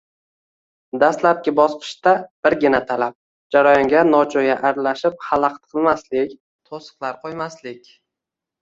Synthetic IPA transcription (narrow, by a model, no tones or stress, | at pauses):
d̪ast̪lap̚kʲɪbɒsqʰɨ̥ʃt̪ab̥ɪɾɡʲɪnat̪ʰalap̚ | d͡ʒaɾajɒŋɡʲanɒt͡ʃʰojaʔaɾlaʃɪp̚halˠɑqt̪qʰɨlˠmaslɪkʲ | t̪ʰosɨ̥qlˠaɾqʰojmaslɪkʲ